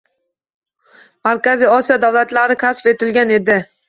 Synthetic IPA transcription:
maɾkʲazijɒsijɒd̪awlat̪laɾɪkʲʰasfe̞t̪ɪlɡʲane̞d̪ɪ

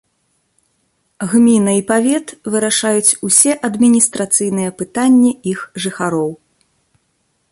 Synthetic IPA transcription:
ɣmʲinɐipavʲɛt̪vɨɾaʂajut͡sʲusʲɛʔɐd̪mʲinʲist̪ɾat̪sɨjn̪ɨjɛpɨt̪anʲːiixʐɨxaɾɔw

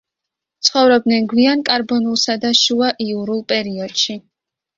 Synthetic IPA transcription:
t̪sʰχɔvɾɔb̚d̪nɛnɡwiankʼaɾbɔnulˠsad̪aʃuaʔiuɾulˠpʼɛɾiɔd̪̥ʃi

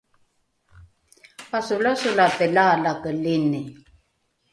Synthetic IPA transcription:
pasulasulapəlaːlakəlini

